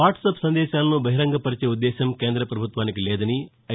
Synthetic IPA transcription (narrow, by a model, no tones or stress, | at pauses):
aːʈsɐpsɐnd̪ɛːʃaːlɐnubʱɐɦiɾɐŋɡɐpɐɾit͡ʃeːud̪ːɛːʃɐmkeːnd̪ɾɐpɾɐbʱut̪ʋaːnikilɛːd̪ɐni | ɐ